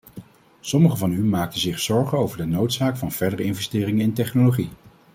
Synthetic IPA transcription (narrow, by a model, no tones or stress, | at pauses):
sɔməχəvɑnymaːk̚təzɪχsɔɹχənowvəɹdənowtsaːkfɑnv̥ɛɹdərəɪnvɛstɪːrɪŋənɪntɛχnoloχi